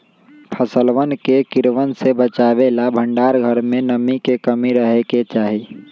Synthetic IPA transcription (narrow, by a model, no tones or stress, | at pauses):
pʰəsəlʋənkekɪɾʋənsebət͡ʃaʋelabʱə̃ɳɖaːɾɡʱəɾmẽnəmikekəmiɾəɦeket͡ʃaːɦi